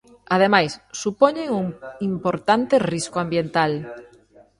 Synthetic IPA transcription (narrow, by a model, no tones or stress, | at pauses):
að̞emajsːupoɲeŋuŋimpoɾt̪ant̪eriskoambjent̪al